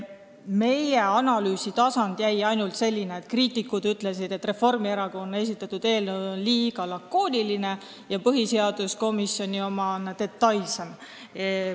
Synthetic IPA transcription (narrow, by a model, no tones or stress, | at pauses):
me̞jeɑnɑlyːsit̪ɑsɑnd̪̥jæjɑjnult̪se̞lʲːineet̪kriːt̪ːˑikːˑud̪yt̪ːˑle̞sid̪̥e̞t̪ːre̞fo̞rmieɾɑɡ̥oone̞s̬ʲit̪ːˑɑt̪ːˑud̪̥e̞ːlnoonliːɡ̥ɑlɑkːo̞ːnʲiline̞ | jɑpɤɦise̞ɑd̪̥usko̞misjo̞nʲio̞mɑnt̪e̞t̪ːˑɑjlse̞m